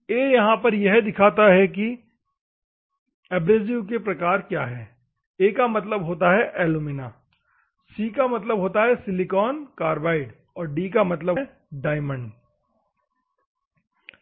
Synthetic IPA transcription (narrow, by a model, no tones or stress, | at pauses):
eːjɐɦãpɐɾjɛɦd̪ɪkʰaːt̪aɦɛk̬i | ɛːbɾeːzijukepɾɐkaːɾkjaːɦɛː | eːkamɐt̪̬ləbɦoːt̪aɦɛʔɛːlumɪnaː | siːkamɐt̪̬ləbɦoːt̪aɦɛsɪlɪkɔːnkaːɾbaːɪɖ | ɔːɾɖiːkamɐt̪̬ləb | ɖaːɪmə̃ɳɖ